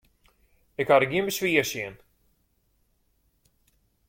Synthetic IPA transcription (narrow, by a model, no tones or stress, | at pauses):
ekaɾɡʲimiʃviɛʃiɛn